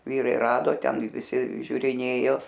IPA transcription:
ˈʋʲiːrɐɪ ˈrɑːdoː ˈtʲɛn ɪ ʋʲɪˈsʲɪ ʒʲʊrʲɪˈnʲeːjoː

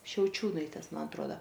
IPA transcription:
ʃʲɛʊˈt͡ʃʲuːnɐɪtʲeːs ˈmɐn ɐtˈruɔdɐ

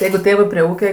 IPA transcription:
ˈjɛɪɡʊ ˈtʲeːʋɜ pʲrʲiɛ ˈuːkʲɛ

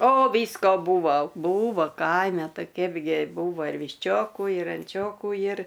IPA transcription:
oː ˈʋʲiːskoː ˈbuːʋoː ˈbuːʋoː ˈkɐɪmʲɛ ˈtɐɪ ˈkʲɛɪbʲɡʲɪ ˈbuːʋɐ ɪr ʋʲɪʃʲˈt͡ʃʲoːkuː ɪr ɐnʲˈt͡ʃʲoːkuː jɪr

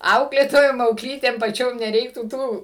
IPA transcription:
ˈɐʊklʲeːtoːjoːm ɐʊkˈlʲiːtʲeːm pɐˈt͡ʃʲoːm nʲɛˈrʲɛɪktuː ˈtuː

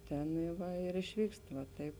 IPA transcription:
ˈtʲæːnɐɪ ˈʋɐ ɪr ɪʃʲˈʋʲiːkst ʋɐ ˈtɐɪp

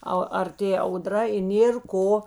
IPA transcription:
ˈɐ ɐrʲˈtʲeː ɐʊˈdrɐ ɪ ˈnʲeːr ˈkoː

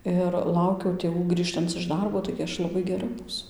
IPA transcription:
ɪr ˈlˠɐʊkʲɛʊ tʲeːˈʋuː ˈɡrʲiːʃtɐnt͡s ɪʃ ˈdɐrboː tɐɪɡʲɪ ˈɐʃ lˠɐˈbɐɪ ɡʲɛˈrɐ ˈbuːsʊ

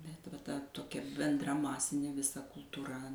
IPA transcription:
bʲɛt ʋɐ ˈtɐ toːˈkʲɛ bʲɛnˈdrɐ ˈmɑːsʲɪnʲeː ʋʲɪˈsɐ kʊlˠtuːˈrɐ

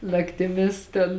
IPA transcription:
nɐktʲɪˈmʲɪs tʲɛn

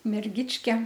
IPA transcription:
mʲɛrʲˈɡʲɪt͡ʃʲkʲɛ

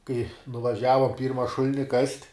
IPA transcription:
kɐɪ nʊʋɐˈʒʲæːʋɐ ˈpʲiːrmɐ ˈʃʊlʲɪnʲɪ kɐsʲtʲ

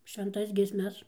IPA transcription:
ʃʲʋʲɛnˈtɐs ɡʲiɛsʲˈmʲɛs

